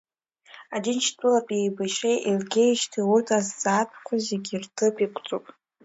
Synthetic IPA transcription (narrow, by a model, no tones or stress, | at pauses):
adint͡ʃʰtʼɨlapʼejbaʃejʔelɡʲejʃtʰiurtʰʼazd͡zaːtʰqʷʰazeɡʲirtʰɨpʼikʷʰʼt͡sʼupʼ